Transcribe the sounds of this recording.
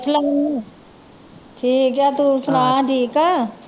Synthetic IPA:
ɐslɐm | ʈʰiːkjat̪usʊnaːʈʰiːka

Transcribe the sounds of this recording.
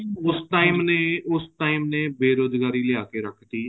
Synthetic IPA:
ʊsʈaːiːmneːʊsʈaːiːmnẽːbeːɾoːd͡ʒɡaːɾiːlɪjaːkeːɾəkʰt̪iː

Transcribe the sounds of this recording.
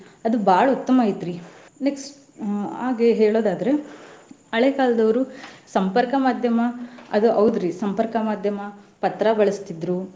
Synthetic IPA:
ɐd̪ubʱaːɭɐut̪ːɐmaːjit̪ːɾi | neks | a̰ːɡeɦeːɭo̞ːd̪aːd̪ɐɾe̞ | ɐɭekaːlɐd̪ɐʋɐɾusɐmpɐɾkɐmaːd̪ʱjɐmɐɐd̪uʔɐʋud̪ɾisɐmpɐɾkɐmaːd̪ʱjɐmɐpɐt̪ɾɐbɐɭɐst̪id̪ɾu

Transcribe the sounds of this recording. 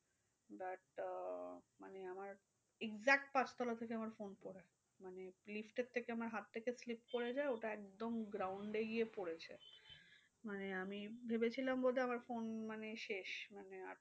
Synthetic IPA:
baʈ | maneamaɾ | eɡzɛk̚ʈ̚pãt͡ɕt̪ʰɔlat̪ʰekeamaɾfonpoɾe | manelifʈeɾt̪ʰːekeamaɾɦat̪ʰːekeslipkoɾed͡ʑaeoʈaɛk̚d̪omɡɾawɳɖeɡijepoɽet͡ɕʰḛ | maneamibʱebet͡ɕʰilambod̪ʱeamaɾfonmaneʃeʃmanea̰

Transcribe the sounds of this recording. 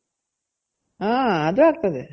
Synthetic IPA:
aːɐd̪uaːk̚t̪ɐðɯ

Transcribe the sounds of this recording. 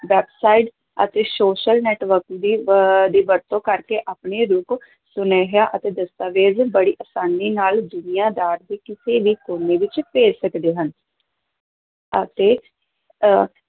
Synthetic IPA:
ʋɛːbsaːiʈ | ə̰t̪eːsoːʃəlnɛːʈʋəɾkd̪iːd̪iːʋəɾt̪õːkəɾkeːʔaːpɳeːɾʊk | sʊneːɦaːʔət̪eːd̪əst̪aːʋeːzbəɽiːʔəsaːniːnaːld̪ʊnijãːd̪aːɾd̪iːkɪseːʋiːkoːneːʋɪt͡ʃpeːd͡ʒsəkd̪eːɦən | ət̪eː

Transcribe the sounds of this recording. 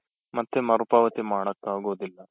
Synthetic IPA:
mɐt̪ːemɐɾupaːʋɐt̪imaːɽɐkːaːɡuʋɐðilːɐ

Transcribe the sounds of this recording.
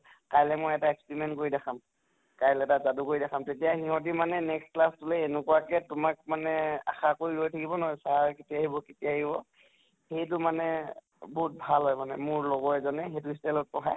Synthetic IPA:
kajlɛmojɛtaekspiɹimɛntkoɹidaxʰam | kajlɛtazadukoɹidakʰamtetijahiɦɔt̬imanɛnɛkstklastulɛːnukɔakɛtʊmak̚manɛa̰xakoɹiɦojtʰakibɔnɔɦɔjsaɹketiaɦibɔketijaɦibɔ | xejtʊmanɛ | bɔɦut̚bʱalɦɔjmanɛmʊɹlɔɡɔɛzɔnɛxejtʊistɛlɔt̚pɔɦaj

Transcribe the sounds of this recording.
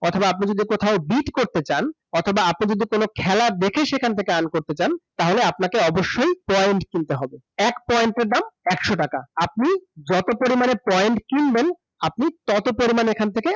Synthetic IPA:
ɔt̪ʰobaap̬nid͡ʑod̪ikot̪ʰaobiʈkoɾt̪et͡ɕan | ɔt̪ʰobaapnid͡ʑod̪ʱikonokʰɛlad̪ekʰeʃekʰanet̪ʰekeankoɾt̪et͡ɕant̪aɦoleapnakeɔboʃːojpɔjeɳʈkint̪eɦɔbe | ɛkpɔeɳʈeɾɖamɛkʃoʈakaap̚nid͡ʑɔt̪opoɾimanepɔjeɳʈkinben | apnit̪ɔt̪opoɾimanekʰant̪ʰeke

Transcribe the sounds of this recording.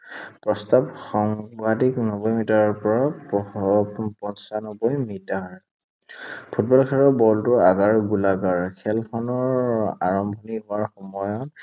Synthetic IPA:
pɹɔstabxɔŋbadiknɔbɔjmitaɹɔɹpɔɹa | pɔnsanɔbɔjmitaɹ | pʰut̚bɔlkʰɛɹɔbɔltʊaɡaɹɡulaɡaɹkʰɛlpʰɔnɔɹa̰ɹɔmbʱɔniɦʊaɹxɔmɔjɔt

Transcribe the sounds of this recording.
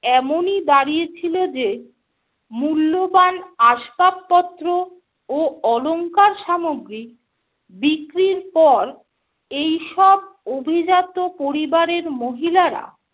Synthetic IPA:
ɛmonid̪aɾiet͡ɕʰilod͡ʑe | mulːobanaʃpapːɔt̪ːɾo | oɔloŋkaɾʃamoɡɾik̚ | bikɾiɾpɔɾ | ejʃɔb̚obʱid͡ʑat̪opoɾibaɾeɾmoɦilaɾa̰

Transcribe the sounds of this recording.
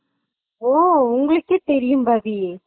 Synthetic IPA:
oːʊŋɡɐɭɯkːɯt̪ɛɾɪjɯmbɐði

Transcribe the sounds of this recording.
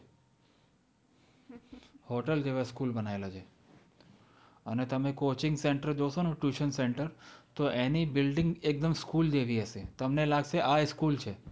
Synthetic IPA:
hoʈəld͡ʒeʋaskulbənaelat͡ʃʰe | ənet̪əmekot͡ʃɪ̃ŋɡseɳʈəɾd͡ʒoʃonoʈjuʃənseɳʈəɾt̪oʔenibɪlɖɪ̃ŋɡek̚d̪əmskuld̪eʋiəset̪əmnelaɡseʔaskult͡ʃʰe

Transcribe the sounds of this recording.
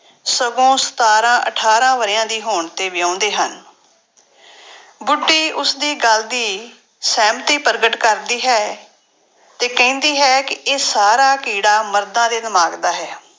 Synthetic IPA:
səɡõːsə̥t̪aːɾãːʔəʈʰaːɾãːʋəɾɪjãːd̪iːɦoːɳt̪eːʋɪjãːnd̪eːɦən | bʊɖːiːʔʊsd̪iːɡəld̪iː | sɛːmt̪iːpəɾɡəʈkəɾd̪iːɦɛː | t̪eːkɛ̃ːnd̪iːɦɛːkɪeːsaːɾaːkiːɽaːməɾd̪ãːd̪eːd̪ɪmaːɡd̪aːɦɛː

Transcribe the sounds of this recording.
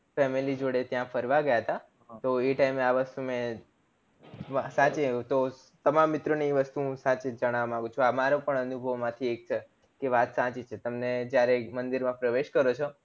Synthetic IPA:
fɛmilid͡ʒoɽet̪jãfʰəɾʋaɡəjaɦət̪a | t̪oeʈaimeaʋəst̪umẽ | sãt͡ʃet̪o | t̪əmamːɪt̪ɾəniʋəst̪uũsãt͡ʃed͡ʒəɽ̃aʋamãɡũt͡ʃʰũamaɾopəɳənubʱəʋmãt̪ʰiek̚t͡ʃʰe | keʋat̪sãt͡ʃit͡ʃʰet̪əmned͡ʒjaɾemənd̪iɾmãpɾəʋeʃkəɾot͡ʃʰo

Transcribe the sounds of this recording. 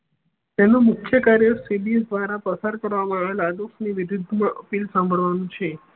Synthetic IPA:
t̪enumʊkʰjəkaɾjəsibisd̪ʋaɾapəsaɾkəɾʋamãaʋelaɖ̪osniʋiʋid̪ʱmaʔəpilsãmbʱəɭʋanũt͡ʃʰe

